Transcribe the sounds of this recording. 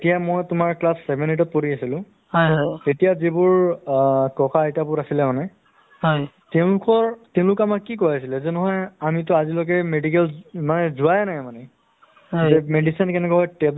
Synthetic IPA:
etijamojtʊmaɹklasːɛbʱɛnet̬ɔt̚poɹiasilʊ̃ | hɔjɔtetijazibʊɹ | kɔkaejtabʊɹasilɛmanɛ | ɔj | tɛʊ̃lʊkɔɹtɛʊ̃lʊkamakkikɔjasilɛzɛnɔɦɔjamit̬ɔazilɔkɛmedik̬ɛlmanɛzʊajnajmanɛ | ɦzɛmedisinkɛnɛkɔɦɔjtɛ

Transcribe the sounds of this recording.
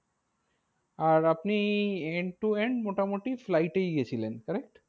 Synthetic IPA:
aɾapnieɳɖʈueɳɖmoʈamoʈiflaiʈejɡet͡ɕʰilenkəɾek̚ʈ

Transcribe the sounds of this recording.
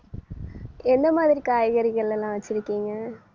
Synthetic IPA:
ɛnd̪ɐmaːðɪɾikaːjɐɣɐɾɪɣɐɭɛlːãːʋɐt͡ʃːɪɾɯkːiːŋɡɐ

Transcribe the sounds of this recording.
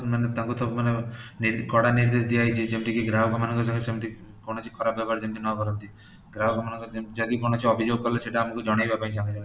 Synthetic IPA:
manet̪ãkut̪ɔmaneniɾkɔɽaniɾd̪eʃd̪ijajt͡ʃid͡ʒemʈikeɡɾawkʰɔmanɔ̃ŋkɔsɔ̃ŋɡesemʈi | konot͡ʃʰi̥kʰɔɾapb̚bɛpaɾd͡ʒemʈ̪inɔkɔɾɔnt̪i | ɡɾawɡʱɔmanɔŋkɔd͡ʒed͡ʒaɡikonot͡ʃʰiɔbʱid͡ʒoɡ̚kɔɾleʃeʈaːmakud͡ʒɔɽ̃ajbapaĩt͡ʃãŋɡed͡ʒɔŋɡe

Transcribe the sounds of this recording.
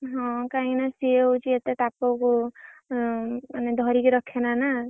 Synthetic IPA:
ɦɔ̃kaĩnʌsiewt͡ʃiet̪et̪apoko | aned̪ʱʌɾikɾʌkʰenanʌ

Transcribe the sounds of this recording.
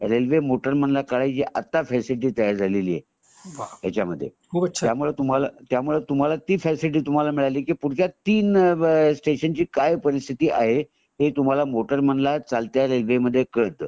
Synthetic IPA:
ɾelʋemoʈəɾməɳlakaɭajt͡ɕiʔat̪ːafɛsiʈ̬iːt̪əjaɾd͡zʱaleliːḛ | jat͡ɕjaməd̪ʱːjḛkʰubɕjamuɭet̪um̤alat̪jamuɭet̪um̤alat̪iːfɛsiʈ̬iːt̪um̤alamiɭaliːkiːpuɽk̪jat̪iːnsʈeɕənt͡ɕiːkajpəɾist̪ʰit̪iːʔaɦe | ɦet̪um̤alamoʈəɾmənlat͡salt̪jaɾelʋeməd̪ʱːjekəɭt̪ə

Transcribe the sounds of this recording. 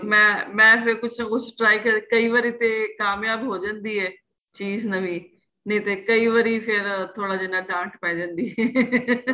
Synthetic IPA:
mɛ̃ːmɛ̃ːpʰɪɾkʊt͡ʃʰnãːkʊt͡ʃʰʈɾaːikəɾkəiːʋəɾiːt̪eːkaːmjaːbɦoːd͡ʒãːnd̪iːɦɛː | t͡ʃiːznəʋĩː | nĩːt̪eːkəiːʋəɾiːpʰɪɾt̪ʰoːɽaːd͡ʒɪnːãːɖãːʈpɛ̃ːd͡ʒãːnd̪iːɛː

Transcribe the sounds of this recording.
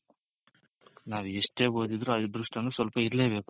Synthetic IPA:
naːʋueʂʈe̞ːbo̞ːd̪id̪ɾuɐd̪id̪ʱɾuʂʈɐnusʋɐlpɐiɾle̞ːbe̞ːku

